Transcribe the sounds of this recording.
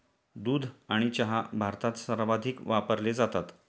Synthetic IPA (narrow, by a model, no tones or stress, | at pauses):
d̪uːd̪ʱaɽ̃it͡ɕaɦabʱaɾt̪at̪səɾʋad̪ʱiːkʋapəɾled͡zat̪at̪